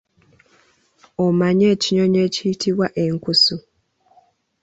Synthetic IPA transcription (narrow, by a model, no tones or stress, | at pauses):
omaɲeːciɲoɲeːcitʰiβwaʔeŋkusu